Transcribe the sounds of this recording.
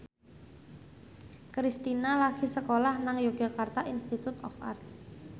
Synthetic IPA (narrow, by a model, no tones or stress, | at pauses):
kɾist̪inalaɡ̥i̤səkolahnaŋjoɡ̥a̤kart̪aʔinst̪it̪ut̪ɔ̰fa̰rt̪̚